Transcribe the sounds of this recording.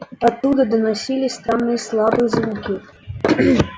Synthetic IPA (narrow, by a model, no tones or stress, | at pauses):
at̪ːud̪əd̪ənasʲilʲisʲt̪amnɨslˠabɨzumʲkʲi